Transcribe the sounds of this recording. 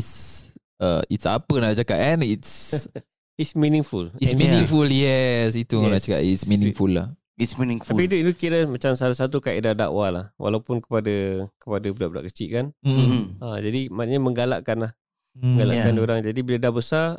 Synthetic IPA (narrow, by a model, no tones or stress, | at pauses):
its | ə̰itsa̰pənaʔt͡ʃakaɛ̃nits | itsmĩnĩŋfulisminĩŋfuljɛs̬it̪unaʔt͡ʃaka̰ʔitsminĩŋfulːa̰h | itsminĩŋfapit̪uit̪ukiɾəmat͡ʃamsalasat̪̬ukaʔidada̰ʔwalahwʔa̰lawpʊnkə̥padakə̥padablaʔbula̰ʔkət͡ʃiʔkanm̩ad͡ʒadimanɲaməŋɡala̰ʔkanlah | məŋɡala̰kkandiuɾaŋd͡ʒadibiladahbəsa